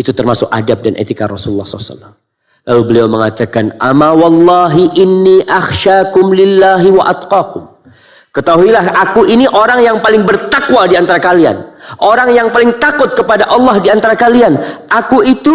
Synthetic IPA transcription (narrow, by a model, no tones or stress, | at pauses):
it̪ut̪ərmasʊk̚a̰dap̚danʔḛt̪ikarɔsuulːɑhsɔ̰lasa̰lːam | lalubəliawməŋat̪akanʔamawɑlːɑɦiʔɪnːiʔaxʃakʊmlɪlːaɦiwaʔat̪qɑkʊm | kət̪aɦuilahakuʔiniʔoɾaŋjaŋpalɪŋbərt̪akwadiant̪aɾakalia̰nʔoɾaŋjaŋpalɪŋt̪akʊt̪̚kəpadaʔɑlːɑhdiant̪aɾakalianʔakuit̪u